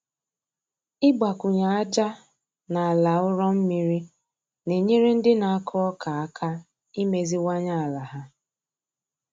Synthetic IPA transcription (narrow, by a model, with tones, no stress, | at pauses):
ɪ˦ɡ͡ba˨kʊ˨ɲa˨a˦d͡ʒa˦ | na˨a˨la˨ʊ˦ɾɔ˦m̩˦mi˦ɾi˦ | ne˨ɲe˦ɾe˦n̩˦dɪ˦na˨a˦kʰʊ˦ɔ˦kʰa˨a˦kʰa˦ | i˦me˨zi˦wa˦ɲa˦a˨la˨ɦa˦